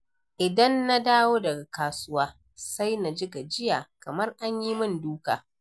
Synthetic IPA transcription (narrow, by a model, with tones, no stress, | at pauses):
ʔɪ˨dɐ˦nːa˦daː˦woː˦dɐ˨ɡa˨kaː˨sʊ˦waː˦ | sa˦jna˨d͡ʒɪ˦ɡa˨d͡ʒɪ˦jaː˨kɐ˨mɐ˦rʔa˦ɲji˦mɪ˦nduː˦ka̰ː˨